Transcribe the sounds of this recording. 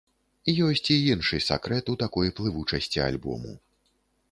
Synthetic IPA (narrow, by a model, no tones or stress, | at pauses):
ijɔsʲt͡sʲiinʂɨsa̰kɾɛt̪ut̪akɔjplˠɨvut͡ʂɐsʲt͡sʲia̰lʲbɔ̰mṵ